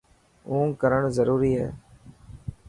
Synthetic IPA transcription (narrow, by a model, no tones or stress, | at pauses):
ũːkəɾəɳzəɾuːɾiːɦɛ̰ː